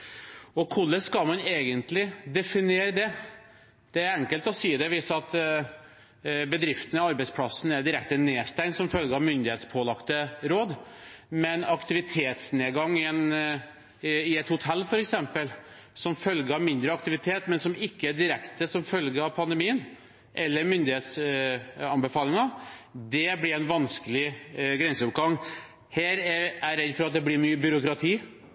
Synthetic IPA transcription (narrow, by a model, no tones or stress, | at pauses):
ɔkʰʊlːəskɑlmɑneːɡənt̪lɪd̪ɛfɪneːɾəd̪ɛ | d̪̥ɛæɾɛŋkəlt̪ɔsiːəd̪ɛʋɪsɑt̪ | bəd̪ɾɪft̪ənəɑɾbɛɪspʰlɑsn̩æɖ̪ɪɾɛkt̪əneːst̪æɪnsɔmfœlɡəɑʋmʏnd̪ɪheːt̪spʰoːlɑkt̪əɾoːd̪mɛnɑkt̪ɪʋɪt̪ʰeːt̪sneːɡɑŋːɪɛn | ɪɛt̪hʊt̪ʰɛlːfɔɾɛksɛmpəlsɔmfœlɡəɑʋmɪnd̪ɾəɑk̚t̪ɪʋɪt̪ʰeːt̪mɛnsɔmɪkːəæɖ̪ɪɾɛkt̪əsɔmfœlɡəɑʋpʰɑnd̪ɛmiːən | ʔɛlːəɾmʏnd̪ɪeːt̪s | ɑnbəfɑːlɪŋɑd̪ɛblɪɾæɪnʋɑnskəlɪɡɾɛnsəʊp̚ɡɑŋ | hæːɾæɾæɾɛd̪fɔɾɑt̪̚d̪ɛblɪɾmyːəbʏɾʊkɾɑt̪ʰiː